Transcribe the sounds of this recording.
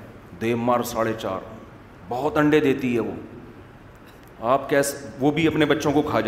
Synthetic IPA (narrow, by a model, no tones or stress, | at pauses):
d̪eːʋmaːɾsaːɽet͡ʃa̰ːɾ | bɐɦɔt̪ɐ̃ɳɖed̪eːt̪iɦɛʋoː | aːp̚kɛːsʋobʱiɐpnebɐtːʃõkokʰaːd͡ʒ